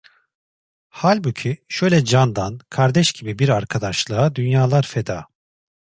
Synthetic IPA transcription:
halʲbucʰiʃø̞jlʲɛd͡ʒand̪ankʰaɾd̪ɛʃɟibibiɾaɾkʰad̪aʃlˠaːd̪ynjaːlˠaɾfed̪a̰ː

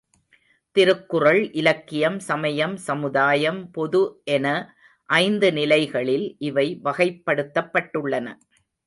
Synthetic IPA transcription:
t̪ɪɾɯkːɯrɐɭʔɪlɐkːɪjɐmsɐmɐjɐmsɐmɯðaːjɐmpɔðɯʔɛnɐ | ʔɐɪnd̪ɯnɪlɐɪɣɐɭɪlʔɪʋɐɪʋɐɣɐɪpːɐɽɯt̪ːɐpːɐʈːɯɭːɐnɐ

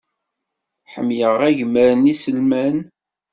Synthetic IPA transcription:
ħə̰mjəʁæʝəməɾənisəlmæn

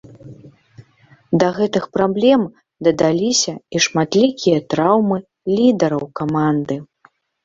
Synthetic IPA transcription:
d̪ɐɣɛt̪ɨxpɾablʲɛm | d̪ɐd̪alʲisʲɐiʂmat̪lʲikʲijɐt̪ɾawmɨ | lʲid̪ɐɾɐwkamand̪ɨ

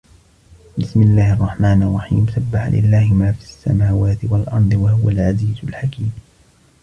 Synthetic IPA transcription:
bɪsmɪlːaːhɑrˤːɑħmaːnɑrˤːɑħḭːmsabːaħa̰lʔɪ̰lːaːhɪmaːfisːa̰maːwaːt̪ɪwalʔɑɾˤd̪ˤɨwahʊwalʕaziːzʊlħakiːm

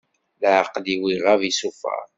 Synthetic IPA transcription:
ləʕqliwiʁavisufæ̰ɾˤ

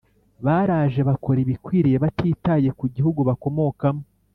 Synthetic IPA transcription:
βaːɾaːʒe̞βako̞ɾiβikwiːɾije̞βatiːtaːje̞kuɟihuɡuβako̞mo̞kamo

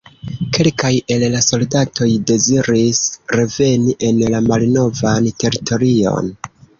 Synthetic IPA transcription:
ke̞lkaje̞llaso̞ldatʰo̞jde̞ziɾisɾe̞ve̞niʔe̞nlamalno̞vantʰe̞ɾitʰo̞ɾio̞̰n

